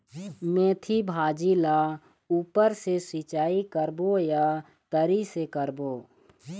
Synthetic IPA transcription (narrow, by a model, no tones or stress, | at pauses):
mẽːt̪ʰibʱaːd͡ʒila | uːpəɾsesit͡ʃaːikəɾboja | t̪əɾisekəɾboː